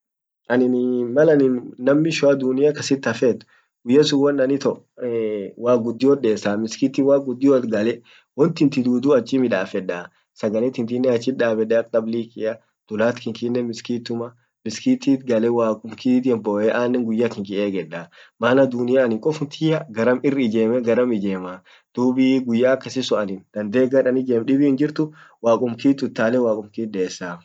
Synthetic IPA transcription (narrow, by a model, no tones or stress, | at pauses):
ʔɐnɪnmɐlɐnɪnnːɐmːɪʃʊɐd̪ʊnɪjɐkɐsɪt̪ːɐfet̪ːʊ̥ | ɡ̥ʊjːɐsʊwɐnːɐnɪt̪ɔ | waːɡʊd̪ːɪjɔɗeːsaːmɪskit̪ːiwaːɡʊd̪ːɪjɔt̪ɡɐlɛ | wɔnt̪ɪnt̪ɪd̪uːd̪uɐt͡ʃʼːɪmɪᶑaːfɛᶑːaː | sɐɡɐlɛt̪ɪnt̪̬ɪnːɛɐt͡ʃːɪᶑaːbɛᶑɛɐk̚ʼt̪ɐblikɪɐ | d̪̥ʊlaːt̪kɪŋkɪnːɛmɪskiːt̪ːʊmɐ | mɪskiːt̪iːt̪ɡɐlɛwaːkʼʊmkiːt̪jɛmbɔːʔɛʔaːnːɛŋɡʊjːakɪŋkɪʔeːɡɛᶑːamaːnɐd̪ʊnɪjaːnɪŋkʼɔfʊnt̪ʰɪjɐɡɐɾɐmɪrːɪɪd͡ʒeːmɛɡɐɾɐmɪd͡ʒeːma | d̪̥uːbiːɡʊjːaːkːɐsɪsʊɐnɪnd̪̥ɐnd̪e̞ːɡɐɾɐnɪd͡ʒemᶑɪbɪhɪnd͡ʒɪɾt̪ʊwaːkʼʊmkiːt̪ːʊt̪ːaːlɛwaːkʼʊmkiːt̪ɗeːsːa